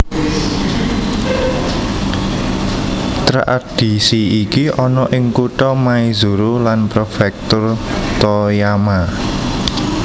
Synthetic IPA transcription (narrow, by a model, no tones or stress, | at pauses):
t̪ɾa̰ʔa̰d̥i̤siikiɔnɔʔɪŋkuʈɔmaizuɾulanpɾofɛk̚t̪ʊrt̪ɔjama